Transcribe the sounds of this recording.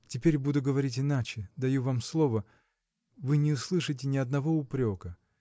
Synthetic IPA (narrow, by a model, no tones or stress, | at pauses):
tʲɪpʲeɾʲbud̪ʊɡəvɐɾʲit̬ʲɪnat͡ɕɪd̪ɐjuvamslˠo̞və | vɨnʲɪʊslˠɨʂɨt̬ʲɪnʲɪɐd̪nɐvo̞ʊpɾʲo̞kə